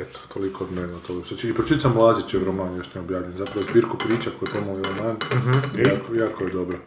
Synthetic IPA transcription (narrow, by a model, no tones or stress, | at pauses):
et̪o̥t̪ʰolikoːd̪meot̪oɡsat͡ʃiːpɾot͡ʃit̪osamulˠazit͡ʃiɾomaːnjoʃniːɛobjaːʋʎenzapɾaʋozbiːɾkupɾiːt͡ʃakojet̪omoiɾomaːn̩ɦ̩iakojakojed̪obɾo